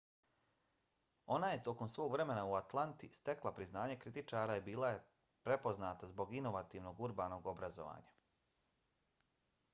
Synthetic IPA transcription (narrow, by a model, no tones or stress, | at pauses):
o̞naje̞t̪o̞ko̞msʋo̞ːɡʋɾe̞me̞nauat̪lˠant̪ist̪e̞klˠapɾiznaːɲekɾit̪it͡ʃaːɾaibiːlˠaje̞ | pɾe̞po̞znaːt̪azbo̞ɡino̞ʋat̪iːʋno̞ɡuɾbaːno̞ːɡo̞bɾazo̰ʋa̰ːɲa